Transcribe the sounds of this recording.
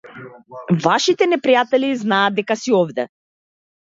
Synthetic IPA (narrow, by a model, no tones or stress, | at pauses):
vaʃit̪ɛnɛpɾijat̪ɛliznaːd̪ːɛkasiɔvd̪ɛ